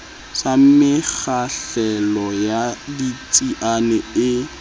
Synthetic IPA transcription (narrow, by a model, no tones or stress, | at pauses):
samɪk͡xaɬɛlɔjadit͡sʼiʔanɛɪ